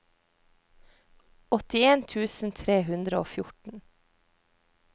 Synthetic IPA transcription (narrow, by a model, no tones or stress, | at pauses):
ɔt̪ɪeːnt̪ʰʉːsn̩t̪ʰɾeːhʉnd̪ɾəo̰ːfjʊʈɳ̩